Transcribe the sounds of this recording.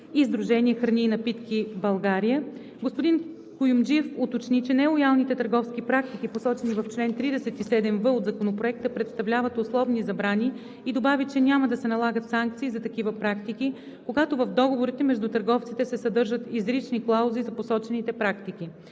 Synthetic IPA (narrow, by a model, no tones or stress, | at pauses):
izd̪ɾuʒɛnʲiɛxɾɐnʲiːnɐpit̪kʲibɐlˠɡaɾijə | ɡospod̪in | kʊjumd͡ʒiɛfot̪ot͡ʃnit͡ʃɛnɛlˠojalˠnit̪ɛt̪əɾɡɔfskipɾak̚t̪ik̟iposɔt͡ʃɛnivɐft͡ʃlɛnt̪ɾid̪ɛsɛt̪isɛd̪ɛmvəod̪zɐkonopɾoɛk̚t̪əpɾɛt̪st̪ɐvlʲavət̪oslˠɔvnizɐbɾani | id̪obavit͡ʃɛnʲaməd̪ɐsɛnɐlˠaɡət̪saŋk̚t̪siːzɐt̪ɐkivəpɾakt̪iki | koɡat̪ovɐvd̪ɔɡovoɾit̪ɛmɛʒd̪ut̪əɾɡɔft̪sit̪ɛsɛsɐd̪ɤɾʒət̪izɾit͡ʃniklˠauzizɐposɔt͡ʃɛnit̪ɛpɾakt̪iki